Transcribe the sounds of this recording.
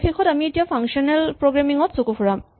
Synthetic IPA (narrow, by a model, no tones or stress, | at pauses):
xexɔtamietijapʰaŋʃɔnɛlpɹoɡɹamiŋɔtsokupʰuɹam